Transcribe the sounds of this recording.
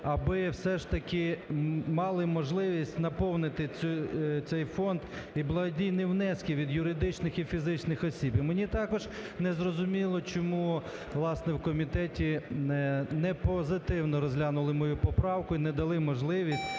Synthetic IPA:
ɐbɪwsɛʃt̪ɐkɪmɑlˠɪmɔʒlˠɪʋʲisʲtʲnɐpɔwnɪt̪ɪut̪sɛjfɔnd̪iblˠɐɦɔdʲijnɪwnɛskʲiʋʲid̪jʊɾɪd̪ɪt͡ʃnɪxifʲizɪt͡ʃnɪxɔsʲibimenʲit̪ɑkɔʒnɛzrɔzʊmʲilˠɔt͡ʃɔmu | ʋlˠɑsnɛwkɔmʲit̪ɛtʲi | nɛpɔzɪt̪ɪwnɔɾɔzʲɦlʲanʊlˠɪmɔjupɔpɾɑwkʊinɛd̪ɐlˠɪmɔʒlˠɪʋʲisʲt̚ʲ

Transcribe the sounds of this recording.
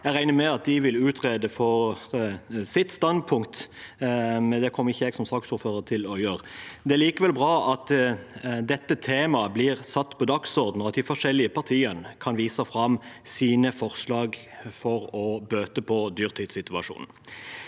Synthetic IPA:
ɛɾæɪnəmɛɑt̪̚d̪ɪʋɪlʉːt̪ʰʁeːd̪əfɔɾ | sɪt̪st̪ɑnd̪̚pʰʊŋkt̪ | mɛnd̪ɛkʰɔmːəʁɪçːəɛɡsɔmsɑksuːɾføːɾət̪ʰɪlɔjøːʁəd̪ɛæliːkəʋɛlbɾɑːʔɑt̪ | d̪ɛt̪ːət̪ʰeːmɑblɪʁsɑt̪ːpʰɔd̪ɑksɔʁd̪n̩ɔɑt̪̚d̪ɪfɔʂɛlɪəpʰɑʁt̪ʰiːənəkʰɑnʋiːsəfɾɑm | siːnəfɔʁslɑːɡfɔɾɔbøːt̪əpʰɔd̪yːʁt̪ʰiːd̪sɪt̪ʉɑʂṵːnn̩

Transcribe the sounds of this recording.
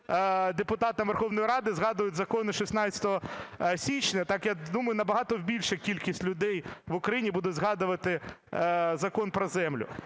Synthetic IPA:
d̪epʊt̪ɑt̪ɪʋerxɔʋnɔjiɾɑd̪ɪzɦɑd̪ʊjʊtʲzɐkɔnɪʃisnɑt͡sʲɐ̥t̪ɔɦɔsʲit͡ʃnɛt̪ɑkjad̪umɐjʊnɐbɐɦɑt̪ɔwbʲilʲʃɛkʲilʲkʲisʲtʲlʲʊd̪ɛjʋʊkɾɐjinʲibud̪ɛzɦɑd̪ʊʋɐt̪ɪ | zɐkɔnpɾɔzɛmlʲʊ̰

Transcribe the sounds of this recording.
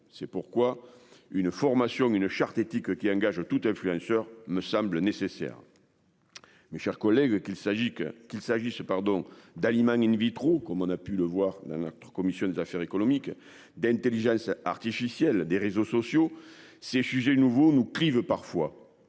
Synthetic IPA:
sɛpuʁkwa | ynəfɔʁmasjɔ̃ŋynəʃaʁt̪et̪ikəkʲiɑ̃ŋɡaʒət̪ut̪ɛ̃flyɑ̃sœʁməsɑ̃mblənesesɛ̰ʁə | meʃɛʁkɔlɛɡ | kilsaʒisəpaʁd̪ɔ̃d̪alimɑ̃ŋinvit̪χokɔmɔ̃napyləvwaʁd̪ɑ̃nɔt̪χə̥kɔmisjɔ̃d̪ezafɛʁekɔnɔmik | d̪ɛ̃nt̪eliʒɑ̃sa̰ʁt̪ifisjɛld̪eʁezosɔsjo | sesyʒenuvonuklivəpaʁfwa

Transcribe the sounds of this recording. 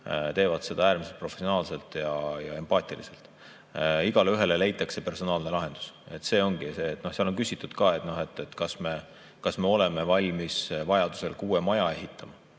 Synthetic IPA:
t̪e̞ːvɑd̪̥se̞d̪̥ɑæːɾmise̞lt̪pro̞fesionɑːlse̞lt̪ˑjɑjɑe̞mpɑːt̪ˑilḭse̞lt̪ˑ | iɡ̥ɑlyɦe̞lele̞jt̪ːˑɑkse̞pe̞rso̞nɑːlnelɑɦe̞nd̪̥u̥se̞t̪ːse̞ːo̞ŋɡ̥iseːt̪ːˑno̞hsiɑlo̞nkysit̪ːˑud̪̥kɑːe̞t̪ˑno̞he̞t̪ːˑet̪ːkɑsme̞ | kɑsme̞o̞le̞me̞vɑlʲmisvɑjɑd̪̥u̥se̞lkuːe̞mɑjɑe̞ɦit̪ʰːˑɑmɑ

